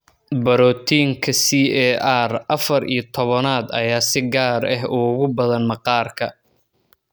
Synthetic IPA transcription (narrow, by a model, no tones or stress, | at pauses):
bɐɾɔːt̪ʰiːŋkʰɐsiːɛːʔarʔɐfɐɾḭːjɞt̪ʰɔβɐnaːd̪ɐ̰jaːsɪɡaːɾɐɦʊːɣʊbɐðɐnmɐqɑːrkʰɐ